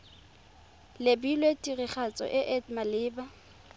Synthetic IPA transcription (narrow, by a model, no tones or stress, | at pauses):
lebilwetʼiriχat͡sʼɔ̰ʔɪʔɛtmalɪːba